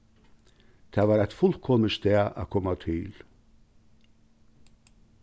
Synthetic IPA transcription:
t̪ʰæːʋɑːɾæt̪fʊlkʰɔməst̪ɛːʔæ̰kʰɔmat̪ʰɪl

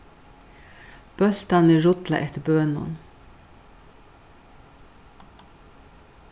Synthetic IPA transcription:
b̥œlt̪ɑnəɹʊt̪lɑ̰ʔɛt̪əbøːnʊ̰n

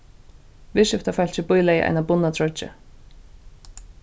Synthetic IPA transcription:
vɪʃɪft̪afɛl̥t͡ɕɪpʊjlajɪ̰ʔa̰jnabʊnːat̪ʰɾɔt͡ʃːɪ̰

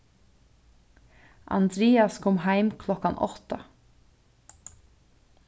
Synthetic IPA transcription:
ʔɑ̰nd̪ɾeːɑskʰɔmhæɪmkʰlɔkɑnʔɔ̰t̪ɑ

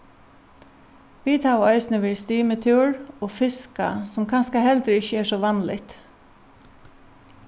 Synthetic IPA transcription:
ʋiːt̪ʰɑːʋœʏsnəʋiːst̪iːmət̪ʰuːɹoːfɪska̰sɔmkʰɑnskəhɛld̪ɾəɪçəɛːʂɔːʋɑnlɪ̰t̪

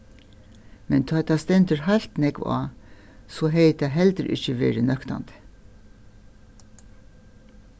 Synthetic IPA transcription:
mɛnt̪ʰɑːt̪ɑːst̪ɛnt̪əɹhɑlt̪nɛɡʋɑ̰ː | soːɦeɪt̪æɦɛld̪əɾʔɪ̰çəʋḛːɾənœkt̪ɑ̰nd̪̥ə̥

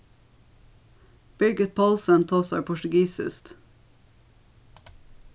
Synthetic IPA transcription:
b̥ʏɡət̪̚pʰɑlsənt̪ʰɑːsæɪpʰʊʈʉɡiːsɪ̰st̪

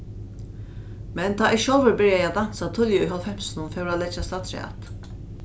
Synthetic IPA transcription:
mɛnt̪ʰaːʔɪʃɔːʋəɹbɪɹjaaːd̪ansat̪ʰʊljəɔɦɔlfɛm̥snʊnfɛʊɹad̪lɛd͡ʒast̪ɑːt̪sɹɛ̰a̰t̪

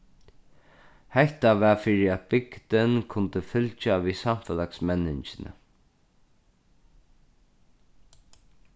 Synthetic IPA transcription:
hɛht̪avɛːfɪɾɪat̪̚bɪkt̪ɪnkʰʊnt̪əfʏlt͡ʃaʋisam̥fɛlaksmɛnːɪɲt͡ʃɪnə̰

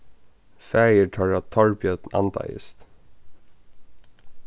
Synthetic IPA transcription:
fæːjəʈʰœɹɑt̪ʰɔɹbjœt̪n̩ɑ̰nd̪ɑ̰ɪ̰st̪

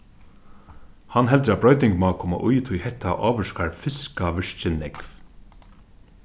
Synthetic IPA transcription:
hanːɦɛlt̪ɾabɾɔɥt̪ɪŋkmaːkʰɔma̰ʔujt̪ʰujhɛht̪aʔɑːʋʏskaɹfɪskaʋɪʂt͡ʃɪnɛkv

